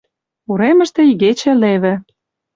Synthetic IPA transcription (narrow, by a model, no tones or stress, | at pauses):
uɾemə̆ʃt̪ĕiɣet͡ɕĕleβɘ̆